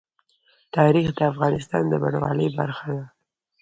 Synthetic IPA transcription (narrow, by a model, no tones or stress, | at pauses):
t̪ɑɾixd̪əafɣɑnɪs̬t̪ɑnd̪əba̰ɳwɑ̰ləjba̰ɾxad̪a